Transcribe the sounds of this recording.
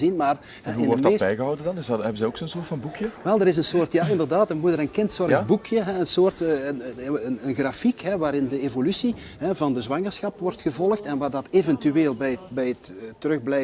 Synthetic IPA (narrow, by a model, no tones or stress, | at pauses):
zinmaːr | ɛɦuɪnːɔdrətdebɛjɣəɦɔwdəndɑnɪsɛbənzɛjoksoːnsoːrtfɑ̃nbukʰjəʋɛlˠdəɾɪs̬ənsoːrtjaːʔɪndərdaːtənmudəɾənkɪntsɔrəbukʰjəɦɛənsoːrtːənənənɣrafikɦɛʋaːɾɪndəevolysi | ɦɛvɑndəzwɑŋərsxɑpʋɔrtxəvɔlˠəxtɛnʋaːrdɑtevɛntyeːlˠbɛjbɛjətːərɵɣblɛ